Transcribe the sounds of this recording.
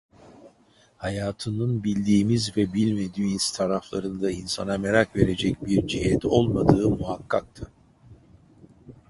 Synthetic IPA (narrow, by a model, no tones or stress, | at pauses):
hajaːt̪ʰɯnɯnbilʲd̪iːmizvɛbilʲme̞d̪iːiz̥t̪ʰaɾaflˠaɾɯnd̪ainsanameɾakve̞ɾe̞d͡ʒɛcbiɾd͡ʒiɦɛt̪o̞lˠmad̪ɯːmuɦakʰːak̚t̪ʰɯ